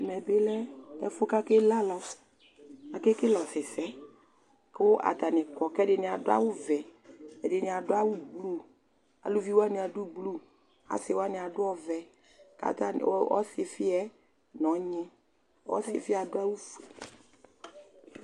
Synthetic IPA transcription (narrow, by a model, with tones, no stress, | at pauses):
mɛ˨bɪ˦lɛ˦ɛ˨fʊ˦ka˦kɪ˦la˦lɔ˨ | a˨kɪ˦kɪ˦lɔ˨sɪ˨sɛ˦ | kʊ˦ʔa̰˨t̪a˨nɪ˨kɔ˨kɛ˦dɪ˨nɪ˨a˨dʊ˦a̰˦wʊ˦vɛ˨ɛ˨dɪ˨nɪ̃˨a˨dʊ˦a˦wu˦ɡ͡blu˦˨ | a̰˨lu˦vi˦wa˦nɪ˨a˨du˦ɡ͡blu˦ | a̰˨sɪ˨˦wa˦nɪ˨a˨dʊ˦ɔ˦vɛ˨ | ka̰˨ta˦˨˦ɔ̰˦sɪ˨fɪ˦ɛ˦ | nɔ̃˨˦ɲɪ˦ | ɔ̰˦sɪ˨fɪ˦a˨dʊ˦a˦wu˦fe˨